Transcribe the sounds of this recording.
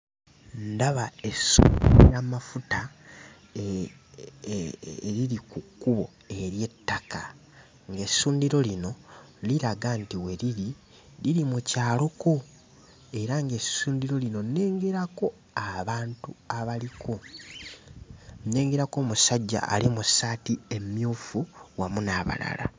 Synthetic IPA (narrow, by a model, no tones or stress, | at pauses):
ndaβae̞sṵːndiɾojamafuta | ɾiɾikukːuβo̞ | e̞ɾje̞tːaka | ŋɡe̞suːndiɾo̞lino̞liɾaɡantiwe̞ɾiɾi | liɾimucaːlo̞ko̞ | e̞ɾaŋɡe̞suːndiɾo̞lino̞nːe̞ːŋɡe̞ɾako̞ | aβaːntuaβalikʰo̞ | nːe̞ːŋɡe̞ɾako̞ːmusaɟːa̰ʔːlimusaːtie̞mjuːfuwamunaβa̰la̰la̰